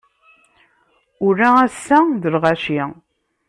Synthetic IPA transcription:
ʊɾææsːæðəlʁæʃi

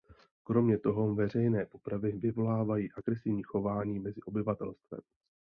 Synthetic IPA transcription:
kɾo̞mɲɛt̪o̞ɦo̞vɛrɛjnɛːpo̞pɾavɪvɪvo̞laːvajiːʔaɡɾɛsɪvɲiːxo̞vaːɲiːmɛzɪʔo̞bɪvat̪ɛlst̪vɛ̰m

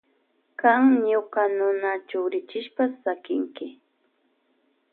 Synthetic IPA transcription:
kaŋɲʊkanʊnat͡ʃʊwɾɪt͡ʃɪʃpasakɪŋkɪ

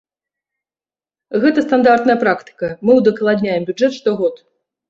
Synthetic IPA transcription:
ɣɛt̪ɐst̪and̪art̪nɐjɐpɾakt̪ɨ̥kɐmɨwd̪ɐklˠad̪ʲnʲajɛmbʲud͡ʐɛt̪ʂt̪ɔɣɔt̪

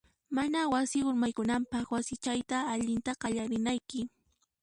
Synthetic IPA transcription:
manawasɪʊɾmajkʊnampɑχwasɪt͡ʃajt̪aːʎɪnt̪aɢɑʎaɾɪnajkɪ

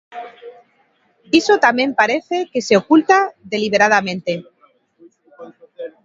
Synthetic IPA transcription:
isot̪amjẽ̞mpaɾe̞θe̞ke̞seokult̪aðe̞liβ̞e̞ɾað̞amẽ̞nt̪e̞

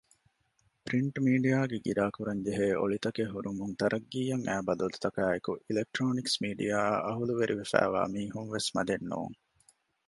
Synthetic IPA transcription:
pɾiɳʈmiːɖijaːɡeɡiɾaːkuɾɐɲd͡ʒeɦeːʔo̰ɭit̪ɐkeɦuɾumunt̪ɐɾʔɐɡːiːjɐŋæːbɐd̪ɐlut̪ɐkæːekuʔilek̚ʈɾoːniksmiːɖijaːʔɐɦuluʋeɾʔiʋefæ̰ːʋa̰ːmiːɦunʋesmɐd̪enːṵːŋ

